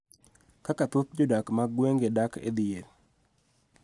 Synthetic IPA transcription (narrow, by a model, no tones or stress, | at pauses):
kakat̪ut̪̚d͡ʒodakmaɡweŋɡedakʰḛd̪ɪjeɾ